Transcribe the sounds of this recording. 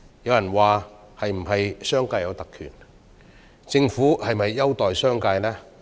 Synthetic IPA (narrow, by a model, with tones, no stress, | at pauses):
jɐ˨˧wjɐ˨˩nwaː˨˩ | hɐ˨jm̩˨˩ɦɐ˨jsœː˥ŋkaː˧jɐ˨˧wt̪ɐ˨kʰy̰ː˨˩n | t͡sɪ˧ŋfuː˨˥hɐ˨jmɐ˨jːɐ˥wt̪ɔː˨jsœː˥ŋkaː˧jlɛː˥